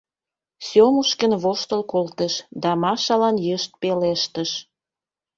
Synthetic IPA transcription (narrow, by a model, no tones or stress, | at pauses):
sʲomuʃkənβoʃt̪əlkolt̪əʃd̪ɑmɑʃɑlɑnjəʃt̪̚peleʃt̪əʃ